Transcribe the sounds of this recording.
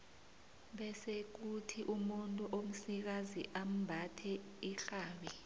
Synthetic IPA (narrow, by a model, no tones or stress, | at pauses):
ɓɛsek̬utʰiʔumuntʼuʔom̩sik̬aziʔam̩bʱatʰɛ | iɬaːɓi